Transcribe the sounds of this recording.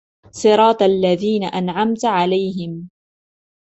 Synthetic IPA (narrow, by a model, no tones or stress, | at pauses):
sˤɨɾˤɑːt̪ʔalːaðiːnaʔanʕamt̪ʕalajɦɪm